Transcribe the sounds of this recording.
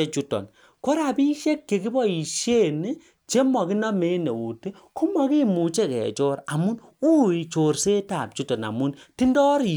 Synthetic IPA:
e˦t͡ʃu˦tɔ̰˨n | ko˦ɾa˨pi˦ʃe˦kːe˨ki˦bɔ˦i˨ʃe˦˨ne˦ | t͡ʃe˦mɔ˨ki˦nɔ˦me˦ne˨u˨te˦ | ku˦mɔ˨ki˦mu˨t͡ʃe˦˨kɛ̰˨t͡ʃɔ˦ɾa˨mu˦nu˦i˨t͡ʃo˨rse˦ta˨p̚t͡ʃu˦tɔ˨na̰˨mu˦nti˦ndɔ˦ɾi˨

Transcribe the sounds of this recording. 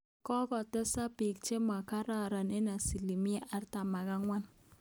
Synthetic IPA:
kɔ˦kɔ˨tɛ˦sa˦pi˨k̚t͡ʃe˦ma˨ka˦ɾa˦ɾa˨ne˦na˨si˨li˨mi˦a˦ʔa˦ɾta˨ma˨ɡa˦ŋwa˦n

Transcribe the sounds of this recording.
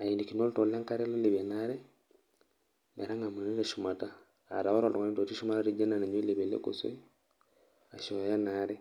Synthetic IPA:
a˨i˨ni˨ki˨no˦lto˨la˦ŋka˦ɾe˦lo˦li˨βe˨na˦ɾɛ˦ | me˨ɾa˦ŋa˨ma˨ni˦ɾa˨ʃu˨ma˨ta̰ː˦˨ | ɾa˨wo˦ɾo˨tɔ˨ŋa˦to˨ti˦ʃu˦ma˦ta˦ɾi˦d͡ʒa˦na˨na˨ɲwe˦le˨βe˨lḛ˦ko̰˨sḛ˦ | a˨ʃo˨ja˦na˨ɾɛ˦

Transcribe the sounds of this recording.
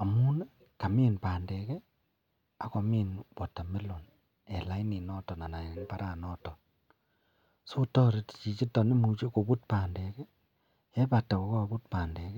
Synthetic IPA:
a˨mu˦nɛ˦ | ka˨miː˦npaː˨ndɛ˨kɛ˦ | a˨kɔ˨mi˦nwɔ˨ta˨me˦lo˨n | ɛ˨la˦i˦ni˨nɔ˦tɔ˨na˨na˨ne˨npa˦ɾa˨nɔ˦tɔ˨n | so˦tɔ˦ɾe˦tt͡ʃi˨t͡ʃi˦tɔ˨ne˦mu˨t͡ʃe˦ko˨bu˦t̚paː˨ndɛ˨kɛ˦ | ɛ˦pa˨ta˨ko˨˦ko˦˨bu˦t̚paː˨ndɛ˨kɛ˦

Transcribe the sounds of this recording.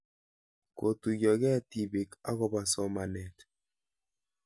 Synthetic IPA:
ko˨tu˨ɣɔ˨ɣɛ˦ti˦βi˨ka̰˦ɣɔ˦βa˨sɔ˦ma˨nɛ˨t

